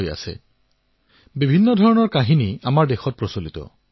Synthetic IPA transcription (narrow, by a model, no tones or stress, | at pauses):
ja̰sɛ̰ | bibʱinːɔdʱɔɹɔnɔɹkaɦiniamaɹdexɔt̚pɹɔsolitɔ̰